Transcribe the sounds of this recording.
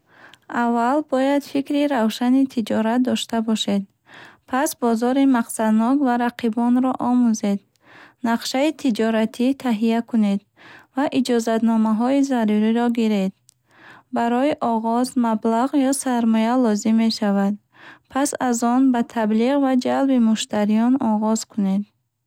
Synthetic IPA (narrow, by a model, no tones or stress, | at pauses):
avːalbɔjad̪fikɾiɾavʃanit̪ʰid͡ʒɔɾat̪̚d̪ɔʃt̪abɔʃe̞d̪ | pʰasbɔzɔɾimaqsad̪nɔkvaɾaqʰibɔnɾɔʔɔmuze̞d̪ | naqʃait̪ʰid͡ʒɔɾat̪ʰit̪ʰaɦijakʰune̞d̪ | vaʔid͡ʒɔzat̪nɔmaɦɔizaɾuɾiɾɔɡiɾed̪̚ | baɾɔiʔɔʁɔzmablaʁjɔsaɾmɔjalɔzimːe̞ʃavad̪̚ | pʰasazɔnbat̪ʰabliʁvad͡ʒalbimuʃt̪ʰaɾijɔnɔʁɔz̥kʰune̞d̪